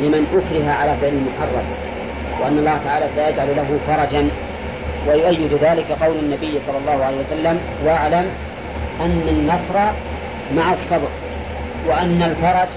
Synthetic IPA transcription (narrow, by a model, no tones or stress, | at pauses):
lɪmanʔʊkɾɪɦaʕalaːfɪʕlɪmʊħɑrˤːɑm | wʔanːɑlˤːɑːht̪aʕaːlasajad͡ʒʕallaɦʊfɑɾˤɑd͡ʒan | wajʊʔajːɪd̪ʊðaːlɪkaqɑwlanːabɪjːsˤɑlːɑlˤːɑːhʊʕalejhwasalːam | waʕlam | ʔanːanːɑsˤɾˤɑ | maʕasˤːɑb̪ɾ | waʔanːalfɑɾˤɑd͡ʒ